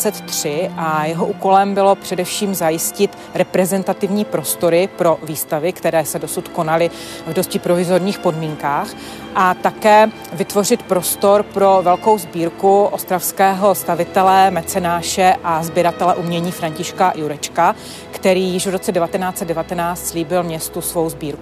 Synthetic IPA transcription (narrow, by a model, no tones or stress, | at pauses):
t͡sɛt̪t̪ːr̥ɪʔajɛɦo̞ʔuːko̞lɛmbɪlo̞pr̝̥ɛdɛfʃiːmzajɪscɪt̪ | ɾɛpɾɛzɛnt̪at̪ɪvɲiːpɾo̞st̪o̞ɾɪpɾo̞viːst̪avɪkt̪ɛɾɛːsɛdo̞sut̪ko̞nalɪ | vdo̞scɪpɾo̞vɪzo̞ɾɲiːxpo̞dmiːŋkaːx | ʔat̪akɛː | vɪt̪vo̞rɪt̪pɾo̞st̪o̞ɾpɾo̞vɛlkowzbiːɾkuʔost̪ɾafskɛːɦo̞st̪avɪt̪ɛlɛmɛt͡sɛnaːʃɛʔazbjɛɾat̪ɛlɛʔumɲɛɲiːfɾaɲcɪʃkajuɾɛt͡ʃka | kt̪ɛɾiːjɪʃvɾo̞t͡sɛdɛvat̪ɛnaːt͡sɛd̪̚dɛvat̪ɛnaːt͡st̪sliːbɪlmɲɛst̪usvo̞wzbiːɾku